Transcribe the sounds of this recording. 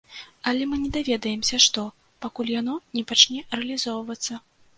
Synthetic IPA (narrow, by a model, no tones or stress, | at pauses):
ɐlʲɛmɨnʲɛd̪avʲɛd̪ɐjɛmsʲɐʂt̪ɔ | pakulʲjanɔnʲɛpat͡ʂnʲɛrɛɐlʲizɔwvɐt̪sːɐ